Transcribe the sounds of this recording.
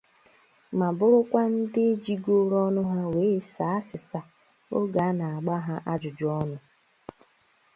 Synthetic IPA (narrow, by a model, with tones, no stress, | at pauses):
ma˨bʊ˦ɾʊ˦kʷa˦n̩˦dɪ˦e˦d͡ʒi˦ɡo˦ɾɔ˦nʊ˦ɦa˦weː˨˦sa˨˦a˦sɪ˨sa˦ | o̰˦ɡa˨˦na˨a˨ɡ͡ba˦ɦa˦ʔa˦d͡ʒʊ˨d͡ʒʊ˨˦ɔ˦nʊ˦